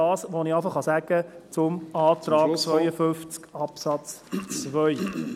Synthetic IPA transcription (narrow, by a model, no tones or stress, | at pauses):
ɑːsʋoniæɪfəχɑsæɡ̥ət͡sʊmɑːt̪rɑːkt͡sʋœjəfʏnft͡skɑpsɑt͡st͡svœʏ